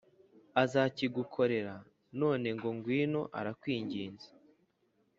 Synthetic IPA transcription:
azaːciɡukʰo̞ɾe̞ɾa | no̞ːne̞ŋɡo̞ŋɡwiːno̞ʔa̰ɾakwiːɲɟiːnzḁ

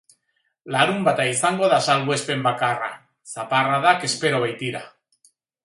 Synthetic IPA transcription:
lalumbat̪ajθaŋɡwaðasalɣwespembakara̰ | θaparaðakespeɾoβejt̪iɾa

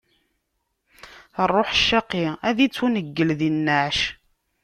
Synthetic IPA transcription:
ərˤːoħʃːɑqːiæðit͡sːunəɡːəlðinːæʕʃ

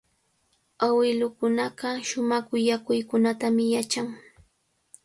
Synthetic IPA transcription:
awɪlʊkʊnɑɢɑʃʊmɑkʊjakʊjkʊnat̪amɪjat͡ʃaŋ

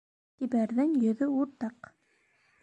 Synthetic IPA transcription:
t̪ibæɾðɘŋjɵ̆ðɵuɾt̪ɑq

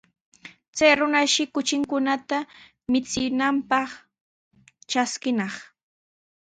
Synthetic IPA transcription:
t͡sajɾʊnaʃɪkʊt͡ʃɪŋkʊnat̪a | mɪt͡sɪnampɑχ | t͡ʃaskɪnɑχ

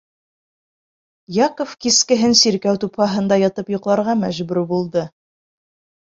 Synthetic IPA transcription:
jɑkofkiskɘ̆ɦɘnsiɾkæwt̪upχɑɦɤ̆nd̪ɑjɑt̪ɤpjŏqlˠɑɾʁɑmæʒbʉɾbulˠd̪ɤ

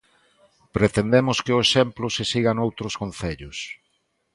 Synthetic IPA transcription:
pɾet̪end̪emʊskɪʊeʃemplʊsesiɣanowt̪ɾʊskonθeʎʊs

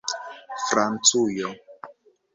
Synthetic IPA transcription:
fɾant͡sujɔ

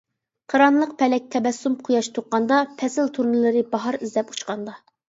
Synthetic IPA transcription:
qʰɑɾɑnlˠəq̚pʰɛlɛk̚ʲt̪ʰɛbɛsːumqʰujɑʃt̪ʰoqːɑnd̪ɑpʰɛsɪlt̪ʰuɾnɨlˠɨɾɪbɑɦɑɾizlɛpu̥t͡ʃqɑnd̪ɑ

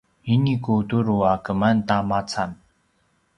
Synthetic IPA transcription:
inikut̪uɾuakəmant̪amat͡sʰan

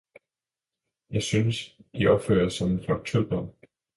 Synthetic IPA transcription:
jɑ̈ɪsynsd̥iɒ̽b̥fø̰ːɐsɒmenfɑɡ̥̚t͡sʰud̥ɒm

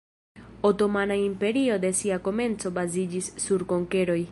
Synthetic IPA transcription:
o̞to̞manaimpe̞ɾio̞d̪e̞siako̞me̞nt͡so̞bazid͡ʒisːuɾko̞ŋke̞ɾo̞j

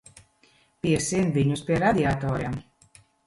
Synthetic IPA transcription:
piɛsiɛnviɲuspiɛɾad̪ʲiat̪ɔːɾjam

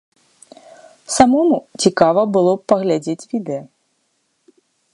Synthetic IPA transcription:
samɔmut͡sʲikavɐbɨlˠɔpɐɣlʲad͡zʲet͡sʲvʲid̪ɛjɐ

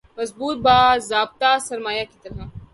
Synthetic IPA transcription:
mɐzbuːt̪̚baːzaːb̚t̪asɐɾmaːjakit̪ɐɾɦaː

